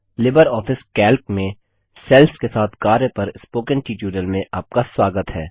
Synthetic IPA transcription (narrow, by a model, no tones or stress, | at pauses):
lɪbəɾɔːfɪskɛːlkmẽ | sɛːlskesaːt̪ʰkaːɾepɐɾɪspoːkə̃nʈiːʈjuːɖəlmẽʔaːp̚kaswaːɡət̪ɦɛː